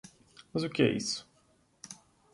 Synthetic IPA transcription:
mɐzʊkɪɛ̰ʔḭsʊ̥

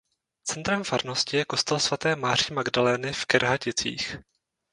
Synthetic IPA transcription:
t͡sɛnt̪ɾɛmfaɾnoscɪjɛko̞st̪ɛlsvat̪ɛːmaːr̝imaɡdalɛːnɪfkɛɾɦacɪt͡sḭːx

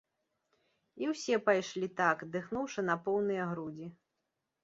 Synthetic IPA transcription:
iwsʲɛpajʂlʲit̪akd̪ɨxnuwʂɐn̪ɐpɔwnɨjɐɣɾud͡zʲi

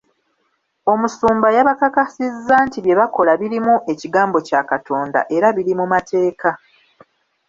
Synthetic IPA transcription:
o̞musuːmbajaβakakasizːaːntiβje̞βako̞laβiɾimuʔe̞ciɡaːmbo̞caːkatʰo̞ːnda̰ʔe̞ɾaβiɾimumatʰe̞ːkʰa

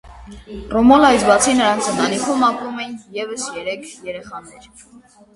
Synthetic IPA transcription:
rɔmɔlɑjsbɑt͡sʰinəɾɑnt͡sʰənt̪ʰɑnikʰumɑpumɛjinjɛvəsjɛɾɛkʰjɛɾɛχɑnɛɾ

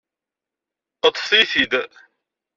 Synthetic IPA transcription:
qət̪ˤːθiθid̪

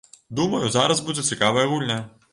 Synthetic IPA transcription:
d̪umɐjʊzaɾɐzbud͡zʲɛsʲikaʋɐjɐɣulʲnʲɐ

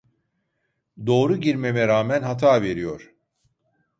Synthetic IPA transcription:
d̪o̞ːɾuɟiɾme̞mɛɾaːmænɦat̪ʰaːve̞ɾijoɾ̥

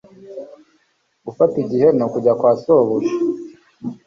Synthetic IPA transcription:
ufatiɟihenokuɟakwaːsoːβuʃe̥

